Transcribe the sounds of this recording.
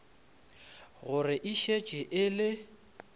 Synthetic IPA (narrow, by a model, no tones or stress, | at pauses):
ɣʊrɪʔiʃet͡ʃʼɪʔɪlɪ